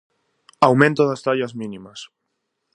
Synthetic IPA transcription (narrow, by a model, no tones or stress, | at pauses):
awmẽnt̪oðast̪aʎazmĩnimɐs